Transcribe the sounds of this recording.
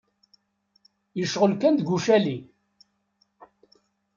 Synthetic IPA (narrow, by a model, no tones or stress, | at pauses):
jəʃʁəlkænd̪ɡʷuʃæli